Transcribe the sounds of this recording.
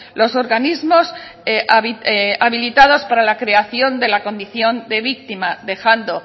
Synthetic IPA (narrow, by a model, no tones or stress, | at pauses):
lo̞so̞ɾɣanizmo̞s | βiaβilit̪aðo̞spaɾalakɾe̞aθjo̞nd̪e̞lako̞nd̪iθjo̞nd̪e̞βik̚t̪imaðe̞xand̪o̞